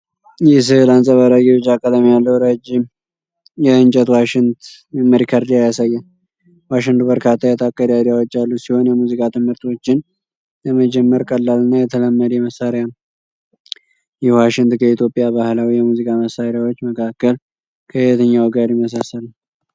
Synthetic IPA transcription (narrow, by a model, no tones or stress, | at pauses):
jɛs̬ɨhɨlansʼəβaɾaɡiwt͡ʃːakʼəd̪amijalːəwɾəd͡ʒːɪm | jɛɨnt͡ʃʼɛt̪waʃɪnt̪ | məɾikʰaɾd̪ijajasajːən | waʃɪŋd̪ubəɾkʰat̪ʰːajat̪ʰakʼːəɾad̪jawot͡ʃːalːusiho̞njɛmuzikʼat̪ʰɨmhɨɾt̪ʰwo̞t͡ʃːɪn | ləməd͡ʒɛmːəɾkʼəlːalːɨnːajɛt̪ʰələmːəd̪jɛməsːaɾɪja | jɛwaʃɪŋt̪kʰəit̪ʰjo̞pʼːijaβahlawijɛmuzikʼaməsaɾɪjawot͡ʃːməkʰakːəl | kʰəhɪət̪ʰəɲːawɡaɾjɪməs̬asəl